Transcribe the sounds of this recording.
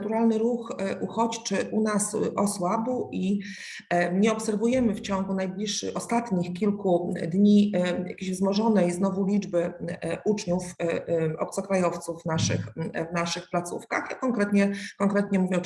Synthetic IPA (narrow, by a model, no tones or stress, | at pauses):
t̪uɾalnɘɾuxʔuxɔt͡ɕt͡ʂɘʔunasʔɔswabuʔi | ɲɛɔpsɛɾvujɛmɘft͡ɕɔŋɡunajblʲiʂːɘ̰ɔst̪at̪ɲixkʲilkud̪ɲija̰kʲeɕvzmɔʐɔnɛjznɔvulʲid͡ʐbɘʔut͡ʂɲuf | ɔ̰p̚t̪sɔkɾajɔft̪suvːnaʂɘ̰xvnaʂɘxplat̪sṵfka̰xakɔŋkɾɛt̪ɲɛkɔŋkɾɛt̪ɲɛmuvʲɛ